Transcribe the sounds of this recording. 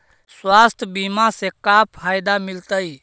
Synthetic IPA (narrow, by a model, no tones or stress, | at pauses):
swast̪ʰbimasekapʰajd̪amilt̪əj